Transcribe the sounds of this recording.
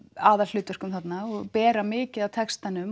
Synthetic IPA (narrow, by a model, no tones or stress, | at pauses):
aːðallʏːt̪vœr̥kʏmθat̪naɔɣpɛːɾamɪːcɪðawt̪ʰɛkst̪anʏm